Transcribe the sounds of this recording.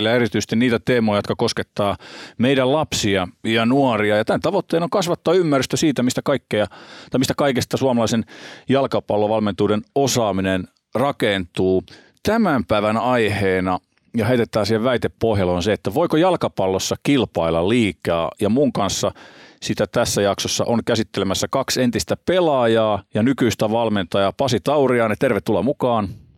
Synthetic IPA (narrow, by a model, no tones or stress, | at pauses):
lːæeɾit̪yise̥st̪iniːt̪æt̪eːmojɑjot̪kɑkosket̪ːɑːmeidællɑpsiɑjɑnuɔriɑjɑt̪ænt̪ɑʋot̪ːeːnoŋkɑsʋɑt̪ːɑɑymːærːyst̪øsiːt̪æmist̪ækɑikːejɑt̪ɑimist̪ækɑikest̪ɑsuɑmɑlɑisenjɑlkɑpɑlːoʋɑlment̪uːdenosɑːminen | rɑkent̪uː | t̪æmæmpæiʋænɑiheːnɑ | jɑɦæit̪et̪ːˑæːnsiheʋʋæit̪epːoɦjɑlonseet̪ːæʋoikojɑlkɑpɑlːosːɑkilpɑilːɑliːkɑ̰ːjɑmuŋkɑnsːɑsit̪æt̪æsːæjɑksosːɑ̰ʔoŋkæsit̪ːelemæsːækɑksent̪ist̪æpelɑjɑːjɑnykyist̪æʋɑlment̪ɑjɑpɑsit̪ɑuriɑːnet̪erʋet̪t̪ːulːɑmukɑːn